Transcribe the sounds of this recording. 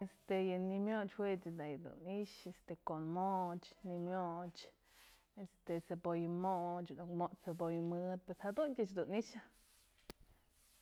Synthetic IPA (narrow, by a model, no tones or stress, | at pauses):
est̪ejɨnimjot͡ʃwet͡sd̪ajd̪ṵniʃest̪ekonmot͡ʃnimjot͡ʃ | est̪esebojɨmoʔt͡ʃnukmoʔt͡ʃsebojmɨd̪̚peshad̪unkʲat͡ʃd̪uniʃa